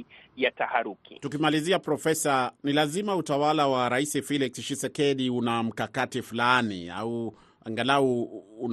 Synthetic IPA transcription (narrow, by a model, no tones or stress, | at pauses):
jatahaɾukḭtukimaliziapɾɔfɛsanilazimautawalawaɾaisifiliksʃisɛkɛɗiunam̩kakatifulanḭa̰u | aŋɡalauːn